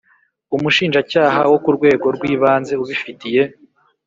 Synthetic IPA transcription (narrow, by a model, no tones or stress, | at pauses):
umuʃiːnʒacaːɦawo̞kuɾɡwe̞ːɡo̞ɾɡwiːβaːnze̞uβifitije̞